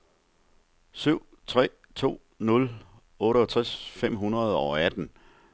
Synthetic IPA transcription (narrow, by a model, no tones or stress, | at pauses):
syʊ̰ | t͡sʰʁɛ̰ː | t͡sʰo̝̰ː | nɔ̽l | ɔ̽ːɾəɒt͡sʰʁasfem̰ɦunɐð̞̩ˠɒ̽æd̥n̩